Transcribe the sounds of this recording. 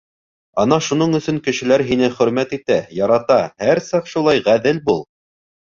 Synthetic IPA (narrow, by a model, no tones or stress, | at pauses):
ɑnɑʃun̪oɴɵ̆sɵŋkɘ̆ʃɘ̆læɾɦin̪ɘχɵ̆ɾmæt̪it̪æjɑɾɑt̪ɑhæɾsɑqʃulˠɑjʁæðɘlbulˠ